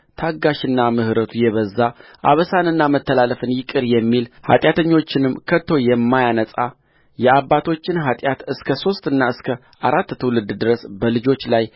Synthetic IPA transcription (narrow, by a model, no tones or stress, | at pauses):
t̪ʰaɡaʃɨnːamɨhɾət̪ʰujɛβəzːaʔa̰βəsanɨnːamət̪ːəlaləfɨnjɪkʼːɨɾjɛmːilha̰t̪ʼjat̪ʰəɲːo̞t͡ʃːɪnɨmkʰət̪ʰːo̞jɛmːajanəsʼa | jɛaβːat̪ʰo̞t͡ʃːɪnɦat̪ʼjat̪ɨskʰəso̞st̪ʼɨnːaɨskʰə | ʔaɾat̪ːt̪ʰəwlɨd̪d̪ɨɾəsbəlɨd͡ʒo̞t͡ʃːlaj